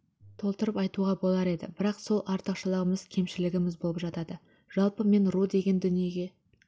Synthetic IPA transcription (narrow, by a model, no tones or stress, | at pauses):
t̪ʰo̞lˠt̪əɾəpɑjt̪uʁɑbo̞lˠɑɾe̞d̪ɪ̰bɪɾɑqso̞lˠʔɑɾt̪əqʃəlˠəʁəməz̥kʲʰe̞mʃɪlɪɡʲɪmɪzbo̞lˠəpʒɑt̪ɑd̪ə | ʒ̥ɑlˠpəme̞nɾud̪e̞ɡʲe̞nd̪ʏnije̞ɡʲe̞